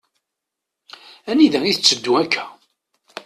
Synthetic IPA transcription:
æniðæiθət͡sːəd̪ːuækʰːæ

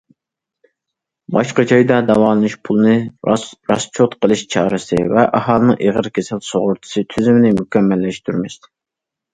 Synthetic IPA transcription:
bɑʃqɑt͡ʃʰɑjd̪ɑd̪ɑwɑːlˠɨnɨʃpʰulˠɨnɨɾɑst͡ʃʰot̪qʰəlˠɨʃt͡ʃʰɑːɾɨsɨ̰vɛʔɑhɑlˠɨnɨŋʔeʁəɾkʲʰesɪlsoʁʊɾt̪ʰɨ̥sɨt̪ʰyzymɪnɪmykʲʰɛmːɛlːɛʃt̪ʰyɾmɪs

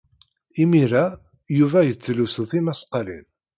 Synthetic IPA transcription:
imiɾæ | juvæjət͡sːlusuθimæsqɑlḭl

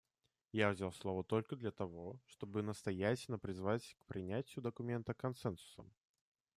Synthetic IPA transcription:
javzʲalˠslˠo̞vət̪o̞lʲkəd̪lʲɐt̪ɐvo̞ʂt̪o̞bɨnəst̪ɐjætʲɪlʲnəpɾʲɪzvatʲkpɾʲɪnʲætʲɪjʊd̪əkʊmʲe̞nt̪əkɐnsɛnsʊ̥sə̰m

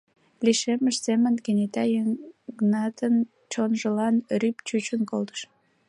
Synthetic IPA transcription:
liʃeməʃsemənɡənʲet̪ɑjəŋɡnɑt̪ən | t͡ɕonʒəlɑnrypt͡ɕut͡ɕənkolt̪ə̥ʃ

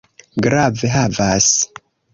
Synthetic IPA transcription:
ɡɾaveɦavas

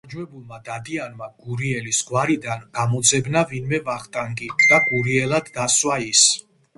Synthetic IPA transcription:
d͡ʒwɛbulˠmad̪ad̪ianmaɡ̥uɾiɛlisɡwaɾid̪anɡ̥amɔd̪zɛbnavinmɛvaχt̪ʼaŋɡʼiqʼd̪aɡuɾiɛlad̪ːaswais

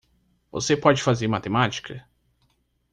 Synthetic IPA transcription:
vo̰sepɔd͡ʒɪfazeɾmat̪emat͡ʃi̥kʰɐ

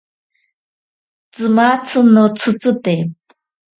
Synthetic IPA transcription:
t͡sɨmat͡sʰɨnot͡sʰɨt͡sɨt̪e

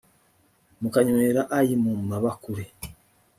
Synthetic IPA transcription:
mukaɲoeɾaʔajimumaβakuɾe

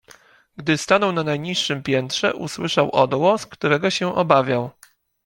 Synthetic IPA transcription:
ɡd̪ɘst̪anɔwnanajɲiʂːɘmpʲjɛnt̪ʂɛ̰ʔṵswɘʂawʔɔd̪wɔskt̪uɾɛɡɔɕɛʔɔbavʲjaw

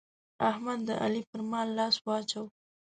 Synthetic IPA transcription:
ahmad̪ːəʔalipəɾmɑlːɑswɑt͡ʃaw

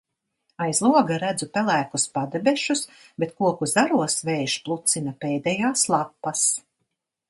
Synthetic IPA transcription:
ajzlˠuɔɡaɾæd̪zupɛlˠæːkuspad̪ɛbɛʃus | bet̪kuɔkuzaɾuɔsvɛjʃplˠut̪sinapɛːd̪ɛjaːslˠapːas

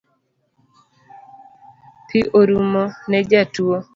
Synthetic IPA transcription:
pʰiʔoɾumonɛd͡ʒatuo

